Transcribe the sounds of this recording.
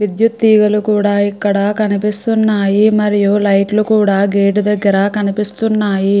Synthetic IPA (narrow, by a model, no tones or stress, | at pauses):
ʋid̪jut̪ːiːɡɐlukuːɽaːikːɐɽɐkɐnipist̪unːaːjimɐɾijulɐjʈlukuːɽaːɡeːʈud̪ɐɡːɐɾɐkɐnipist̪unːaːji